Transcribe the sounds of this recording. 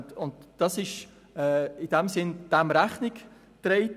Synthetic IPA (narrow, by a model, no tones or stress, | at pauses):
ʊntd̥ɑsɪʃ | ɛːɪd̥ɛmsɪnd̥æmɾæχnɪk | tɾeɪt